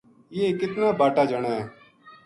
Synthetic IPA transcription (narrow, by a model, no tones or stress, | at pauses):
ekɪt̪naːbaːʈaːd͡ʒəɽaː